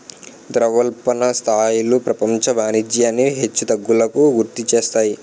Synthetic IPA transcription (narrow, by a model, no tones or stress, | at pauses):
d̪ɾɐʋɐlpɐnɐst̪ʰaːjulupɾɐpɐmt͡ʃɐʋaːnid͡ʒjaːnːiɦet͡ʃːut̪ɐɡːulɐkuɡuɾt̪it͡ʃeːst̪aːji